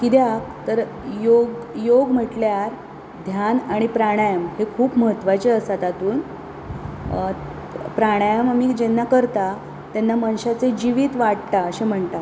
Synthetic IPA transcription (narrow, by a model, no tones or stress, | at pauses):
kid̪jak̚t̪əɾ | joɡjoɡm̤əʈljaɾ | d̪ʱjanaɽ̃ipɾaɽ̃ajəmhekʰuːpməɦət̪ʋat͡ɕeəsat̪at̪uːn | pɾaɽ̃ajəmamiːd͡ʑenːakəɾt̪a | t̪anːamañɕat͡sed͡ʑiʋiːt̪ʋaʈt̪aəɕem̤əɳt̪a